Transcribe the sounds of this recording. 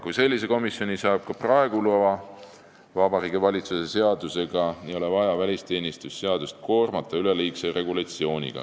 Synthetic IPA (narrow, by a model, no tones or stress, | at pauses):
kujse̞lʲːise̞ko̞misjo̞nʲisɑːb̥̚kɑprɑeɡ̥uluevɑ | vɑbɑɾiːɡ̥ivɑlʲit̪suse̞se̞ɑd̪̥use̞ɡ̥ɑnio̞levɑjɑvælʲist̪e̞ːnʲist̪usːe̞ɑd̪̥ust̪̚ko̞ːrmɑt̪ːˑɑyleliːksejre̞ɡulɑt̪sio̞ːnʲḭɡ̥ɑ̰